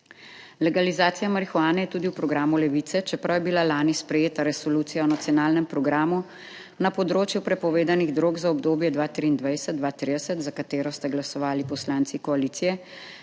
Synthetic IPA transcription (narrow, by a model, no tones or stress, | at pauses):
lɛɡalizaːt̪sijamɐɾixuaːnɛjɛt̪uːd̪iwpɾɔɡɾaːmulɛʋiːt̪sɛt͡ʃɛpɾawjɛbilalaːnispɾɛjeːt̪aɾɛsɔluːt̪sijaɔnat̪sijɔnaːlnɛmpɾɔɡɾaːmu | napɔd̪ɾoːt͡ʃjupɾɛpɔʋeːd̪aniɣd̪ɾoːɡzaɔbd̪oːbjɛd̪ʋaːt̪ɾiːnd̪ʋajsəd̪d̪ʋat̪ɾid̪əsət̪zakat̪eːɾɔst̪aɡlasɔʋaːlipɔslaːnt̪sikɔaliːt̪sijɛ